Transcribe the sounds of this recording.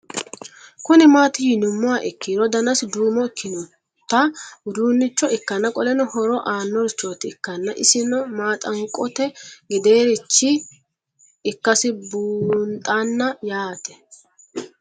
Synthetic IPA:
kʊnɪmaːt̪ɪjɪnʊmːʊaʔɪkːiɾɔd̪ɐnɐsd̪uːmɔɪkʰːɪnʊ | t̪ːɐʊd̪uːnːɪt͡ʃːɔɪkːɐnːɐkʼɔlɛnɔhɔɾɔʔaːnːɔɾt͡ʃːoːt̪ɪɪkːɐnːɐʔɪsɪnɔmaːt̪ʼɐŋkʼɔt̪ɛɡɪd̪e̞ːɾɪt͡ʃːɪ | kːɐsɪbuːnt̪ʼːanːɐjaːt̪ɛ̥

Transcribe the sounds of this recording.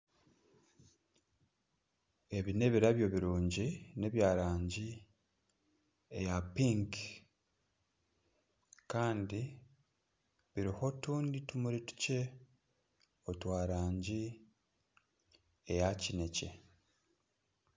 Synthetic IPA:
e̞βine̞βiɾaβjo̞βiɾuːɲɟine̞βjaːɾaːɲɟi | ejapiŋk | kaːndi | βiɾiho̞tuːnditumuɾitu̥ce̞ | o̞twaːɾaːɲɟi | ejacine̞ce̞̰

